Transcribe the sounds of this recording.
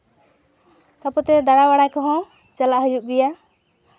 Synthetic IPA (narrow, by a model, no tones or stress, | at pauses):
t̪apɔt̪ɛd̪aɽawaɽakɔɦɔ̃ | t͡ʃalaʔɦujuʔ̚ɡija